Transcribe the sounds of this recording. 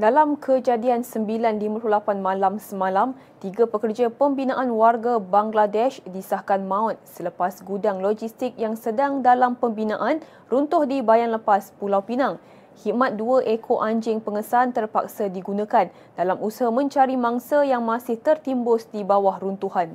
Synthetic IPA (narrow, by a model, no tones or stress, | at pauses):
dalamkʰəd͡ʒadiansəmbilanlimapluhlapanmãlamsəmãlam | t̪iɡapəkərd͡ʒapəmbinãʔanwarɡabaŋɡladɛʃdisahkanmãʊt̪̚sələpasɡudaŋlod͡ʒist̪ɪk̚jaŋsədaŋdalampəmbinãʔan | runt̪ʊhdibajaŋləpaspulawpinãŋ | himat̪̚duaʔekʰoʔaɲd͡ʒɪŋpəŋəsant̪ərpa̰k̚sadiɡunãkan | dalamusaɦamə̃ɲt͡ʃaɾimãŋsajaŋmãsɪht̪ərt̪imbʊsdibawahrunt̪uhan